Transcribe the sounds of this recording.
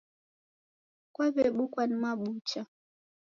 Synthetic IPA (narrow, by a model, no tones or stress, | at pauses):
kwaβɛɓukwanimaɓut͡ʃa